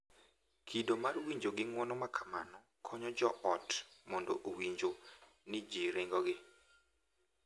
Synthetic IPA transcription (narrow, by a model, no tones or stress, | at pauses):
kʰidomarwiɲd͡ʒoɡɪŋwɔnɔmakʰḁma̰nɔ | kʰɔɲɔd͡ʒɔʔɔtmɔndɔ̰ʔowiɲd͡ʒo | nɪd͡ʒiɾɪŋɡɔɡɪ